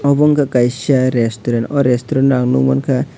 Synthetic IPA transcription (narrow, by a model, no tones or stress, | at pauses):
ɔbɔŋkʰakajsiaɾestuɾanɔɾestuɾɔnɾaŋnṵŋmankʰa